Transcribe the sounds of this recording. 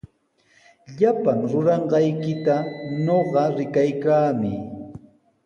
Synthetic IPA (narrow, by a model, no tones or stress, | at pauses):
ʎapaŋɾʊɾɑɴɢɑjkɪt̪aɲoɢɑɾɪkajkaːmɪ